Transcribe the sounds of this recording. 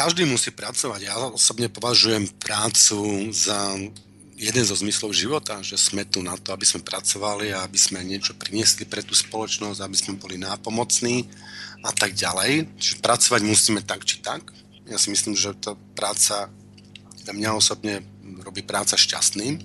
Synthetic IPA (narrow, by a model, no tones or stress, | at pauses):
kaʒd̪iːmusiːpɾat͡sɔʋaɟjaɔɔsɔbɲɛpɔʋaʒujɛmpɾaːt͡suza | jɛd̪ɛnzɔzmislɔʊʒiʋɔt̪aʒɛsmɛt̪unat̪ɔabiz̥mɛpɾat͡sɔʋaliaabiz̥mɛɲɪɛt͡ʃɔpɾiɲɪɛslipɾɛt̪uːspɔlɔt͡ʃnɔzɟabiz̥mɛbɔlinaːpɔmɔt͡sniːat̪aɡ̚ɟalɛjt͡ʃiʒɛpɾat͡sɔʋaɟmusiːmɛt̪akt͡ʃi̥t̪ak | jasimisliːmʒɛt̪apɾaːt͡sa | amɲaɔsɔbɲɛ | ɾɔbiːpɾaːt͡saʃca̰st̪niː